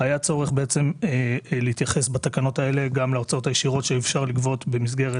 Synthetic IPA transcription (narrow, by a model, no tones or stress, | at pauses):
ajat͡so̞ʁeχbe̞et͡se̞meleit̪jaχe̞sbat̪akano̞t̪ae̞le̞ɡamleot͡sao̞t̪ajeʃiʁo̞tʃeefʃaʁlikvo̞t̪be̞mis̬ɡe̞ʁe